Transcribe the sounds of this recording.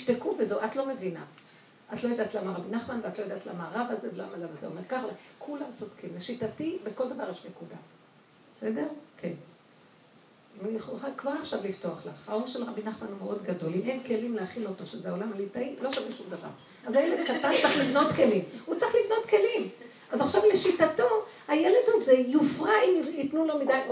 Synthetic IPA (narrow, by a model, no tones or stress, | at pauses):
iʃtekuvezoʔat̪lo̞mevina̰ | ʔatlojad̪aːt̪lamaʁabinaχmanveat̪lo̞jad̪at̪la̰maʁavazevela̰malamazeo̰me̞ʁkaχlakʰulamt͡sod̪̥kimleʃitatibeko̞ld̪avaʁjeʃmekuda̰ | sedeʁkʰen | jeχolχalkvaʁaχʃavlifto̞aχla̰χaonʃelʁabinaχmanumeʔo̞d̪ɡado̞limenke̞limleaχilo̞t̪o̞ʃezeaolamalit̪ailoʃaviʃumd̪ava̰ʁ | azajeled̪kat̪ant͡saχlivno̞t̪ke̞limut͡saχlivno̞t̪ke̞lim | ʔazaχʃavle̞ʃitato̞hajele̞d̪haze̞jufʁaimitnulo̞mid̪aj